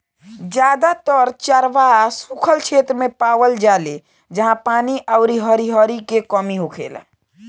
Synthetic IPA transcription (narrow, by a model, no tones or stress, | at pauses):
d͡ʒad̪at̪əɾt͡ʃəɾʋasukʰəlt͡ʃʰet̪ɾəmepaʋəld͡ʒale | d͡ʒəɦãpaniʔaʊɾiɦəɾiɦəɾikekəmiɦokʰḛla̰